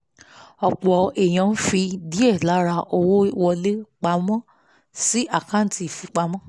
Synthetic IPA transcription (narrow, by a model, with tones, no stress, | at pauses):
ɔ˧˨k͡pɔ˨˦ɛ˨j̃ã˨˦n̩˦fi˧di˦ɛ˦˨la˨˦ɾa˧o˧wo˦wɔ˧le˦k͡pa˧mɔ̃˦ | si˦ʔa˦˨ka˦˨n˦ti˨˧˨fi˨˧k͡pa˧˦mɔ̃˦